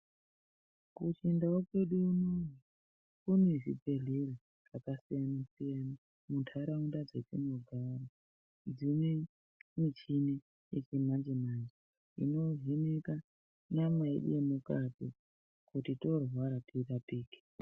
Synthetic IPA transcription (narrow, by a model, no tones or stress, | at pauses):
kut͡ʃindawokwe̞ɗuunoni | kuneʐibeɮere | rakasijanasijana | muntʰaɾaundad͡zetinoɡʱara | d͡zine | mit͡ʃine | jet͡ʃemand͡ʒemand͡ʒe | ḭno̞ɦineka | namaḛɗṵjemukatḭ | kutito̞rwaɾatirapiːki̥